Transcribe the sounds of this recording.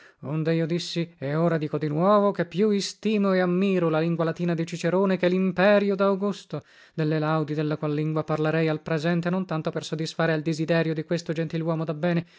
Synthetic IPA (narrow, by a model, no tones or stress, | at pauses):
ond̪eiːod̪isːiɛoːɾad̪iːkod̪inwɔːvokepːjuist̪iːmoɛamːiːɾolaliŋɡwalat̪iːnad̪it͡ʃit͡ʃeɾoːnekelimpɛːɾjod̪awɡust̪o | d̪elːelawd̪id̪elːakwalːiŋɡwaparlaɾɛjalpɾezɛnt̪enont̪ant̪opersod̪ːisfaːɾeald̪ezid̪ɛːɾjod̪ikwest̪od͡ʒent̪ilwɔːmod̪abːɛːne